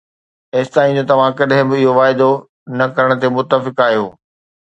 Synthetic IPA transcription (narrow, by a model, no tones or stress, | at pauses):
eːst̪aːĩd͡ʑoːt̪ɐʋ̤ãkɐɗɦɪ̃bɪɪɦoʋaːɪd̪o | nɐkɐɾəɽ̃t̪emʊt̪ːəfɪkaːɦijo̰ː